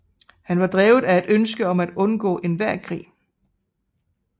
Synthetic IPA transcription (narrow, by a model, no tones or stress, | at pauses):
hænʋɑ̈d̥ʁɛːʊð̩ˠæe̝d̥ønsɡ̥əɒ̽mæd̥ɔ̽nɡ̥ɔ̰̽ːʔe̝nʋæɐ̰kʰʁḭː